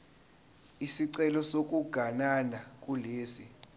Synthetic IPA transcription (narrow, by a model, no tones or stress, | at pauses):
isiǀɛlɔsok̬ʼuɡ̥ʱananak̬ʼuleːsi